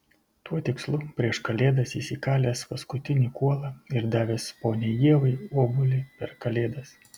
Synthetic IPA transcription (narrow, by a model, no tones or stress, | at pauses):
t̪uɔt̪ʲɪkslˠʊpʲɾʲiɛʃkɐlʲeːd̪ɐsiːsʲikɑːlʲeːspɐskʊt̪ʲɪnʲiːkuɔlˠɑɪɾd̪ɑːʋʲeːspoːnʲejiɛʋɐɪoːbʊlʲɪpʲɛɾkɐlʲeːd̪ɐs